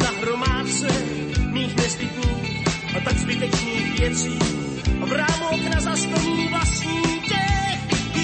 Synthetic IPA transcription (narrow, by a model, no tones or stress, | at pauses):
zaɦɾomaːtt͡sɛ | miːxnɛsbɪt̪ɲiːx | ʔat̪aɡzbɪt̪ɛt͡ʃniːxvjɛt͡siː | ʔavɾaːmoknazast̪aniːvlasɲiːcɛx